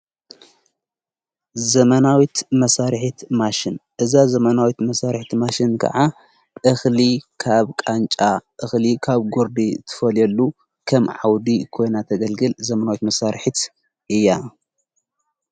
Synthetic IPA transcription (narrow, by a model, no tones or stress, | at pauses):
zɐmɐnawit̪mɐsaɾħit̪maʃɪnʔɨzazɐmɐnawit̪mɐsaɾħit̪maʃinkʰɐ̰ʕa | ʔɨxlikʰaβkʼant͡ʃʼaʔɨxlikʰaβɡoɾd̪it̪ʰɨ̥fɐlɛlːu | kʰɐmʕawd̪ikʰo̞jnat̪ʰɐɡɐlɡɨlzɐmɐnawit̪mɐsaɾħit̪ | ʔɨjːa